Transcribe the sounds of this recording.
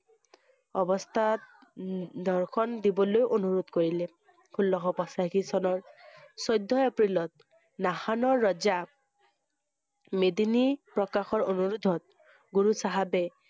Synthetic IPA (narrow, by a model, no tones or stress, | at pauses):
ɔbɔst̪ʰat̪ | d̪ʱɔɹkʰɔnd̪ibɔlojʔonuɹod̪koɹilɛ | kʰulːɔxɔpɔsakʰisɔnɔɹsɔjd̪ʱːɔɛpɹilɔt̪̚ | nahanɔɹːɔza | med̪inipɹɔkaxɔɹonuɹud̪ʱɔt̪̚ | ɡuɹusaɦabɛ